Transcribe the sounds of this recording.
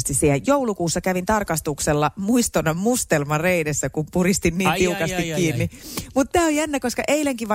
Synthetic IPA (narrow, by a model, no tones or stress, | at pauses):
st̪issiæjjoulukuːsːɑkæʋint̪ɑrkɑst̪ukselːɑmuist̪onɑmmust̪elmɑreinesːækumpurist̪inniːnt̪iukɑsst̪ikkːiːnːimut̪t̪ːæːojænːækoskɑʔeilæŋkiʋʋɑ